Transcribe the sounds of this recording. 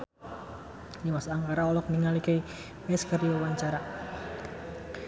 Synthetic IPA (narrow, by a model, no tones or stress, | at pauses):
dimasaːŋkaɾaɔlɔk̚niŋalikəj | ɛskəɾiawaɲt͡ʃaɾa